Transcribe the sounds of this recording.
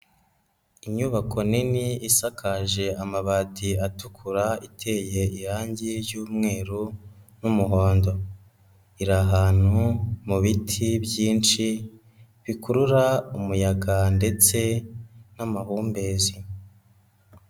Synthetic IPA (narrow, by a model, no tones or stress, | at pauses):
iɲɲuβakʰo̞niniisakʰaʒe̞amaβatiatukʰuɾaitʰe̞ːje̞ʔihaːɲɟiɾjuːmŋe̞ːɾunumuɦo̞ːndo̞ | iɾaɦaːn̥humuβitʰibjiːnt͡ʃi | βikuɾuɾaumujaɡande̞t͡se̞namahuːmbe̞ːzi